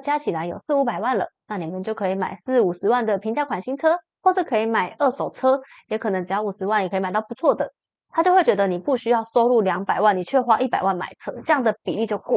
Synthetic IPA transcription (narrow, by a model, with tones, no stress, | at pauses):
t͡ɕja˥t͡ɕʰi˨˩la˧˦ɪjo̰˨˩ʊsɹ̩˥˩u˧˥pa˨˩ɪwa˥˩nlə̰˩na˥˩ni˨˩mə˨˦nt͡ɕjo˥˩ʊkʰɤ˧˥i˧˩ma̰˨˩ɪsɹ̩˥˩u˨˩ʂɻ̩˧˦wa˥˩nd̪ə˨˩pʰi˧ŋt͡ɕja˥kʰa˨˩nɕi˥ŋt͡sʰɤ˥xwɔ˥˧ʂɻ̩˥˩kʰɤ˧˥i˧˩ma˨˩ɪə˥˩ʂo˨˩ʊt͡sʰɤ˥ | jɛ˧˥kʰɤ˨˩nɤ˧˦ŋʈ͡ʂ̩˨˧jɑ˥˩ʊu˨˩ʂɻ̩˧˥wa˥˩ni˨˩kʰm˨˩t̪ɑ˥˩pu˧˦t͡sʰwɔ˥˩d̪ə˩ | t̪ʰa˥t͡ɕjo˥˧ʊxe˥˩t͡ɕɥɛ˧˥d̪ə˧ni˨˩pu˥˩ɕy˥jɑ˥˩ʊso˥ʊlu˥˩ljɑ˧˥ŋpa˨˩ɪwa˥˩ni˨˩t͡ɕʰɥɛ˥˧xwa˥ʔi˥˩pa˨˩ɪwa˥˩nma̰˨˩ɪt͡sʰɤ˥ʈ͡ʂɤ˥˧jɑ˥˩ŋd̪ə˩pḭ˨˩li˥˧t͡ɕjo˥˧ʊku˥˩